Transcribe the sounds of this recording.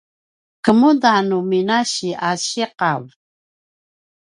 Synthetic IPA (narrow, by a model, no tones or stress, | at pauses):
kəmudanuminaɕiaɕiqav